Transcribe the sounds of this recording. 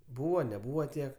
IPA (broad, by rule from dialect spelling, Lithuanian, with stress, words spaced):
ˈbuːʋoː nʲɛˈbuːʋoː ˈtʲiɛk